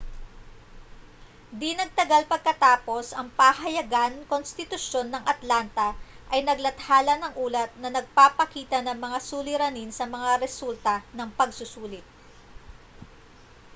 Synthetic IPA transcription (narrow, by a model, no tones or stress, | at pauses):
d̪inɐɡ̚t̪ɐɡalpɐɡ̚kɐt̪aːpo̞sʔɐŋpahɐjɐɡankonst̪ɪt̪ʊʃjo̞nːɐŋʔɐt̪lant̪ɐ | ʔɐjnɐɡlɐt̪haːlɐnɐŋʔuːlɐt̪̚nɐnɐɡ̚papɐkiːt̪ɐnɐŋmɐŋasuːlɪɾɐninsɐmɐŋaɾɛsult̪ɐnɐŋpɐɡsʊsuːlɪt̪̚